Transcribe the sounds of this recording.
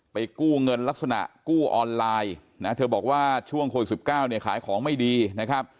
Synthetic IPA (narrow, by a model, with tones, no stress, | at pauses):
pa˧jkuː˥˩ŋɤ˧nla˦˥k̚sa˧na̰˨˩ʔkuː˥˩ʔɔː˧nlaː˧j | na˦˥t̪ʰɤː˧bɔː˨˩k̚waː˥˩t͡ɕʰu˥˩əŋkʰoː˧˩si˨˩p̚kaː˥˩wni˥˩kʰaː˩˦jkʰɔː˩˦ŋma˥˩jdiː˧na˦˥kʰa˦˥p̚